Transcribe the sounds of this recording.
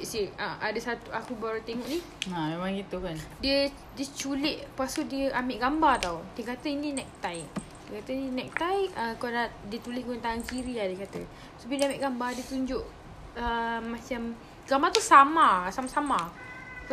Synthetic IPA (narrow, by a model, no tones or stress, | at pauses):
ʔsiʔaʔadəsat̪uakubaɾut̪eŋɔʔni | amemaŋɡit̪ukandiə | diət͡ʃulɪʔpasudiəʔameʔɡambat̪awdiəkat̪əinĩnɛk̚t̪ajʔ | dəkat̪əninɛk̚t̪ajʔəkadadiət̪ulɪskoənt̪aŋankiɾiadiəkat̪ə | sobidiameʔɡambadiət̪uɲd͡ʒʊʔ | əːat͡ʃam | ɡambat̪usamasamasama | k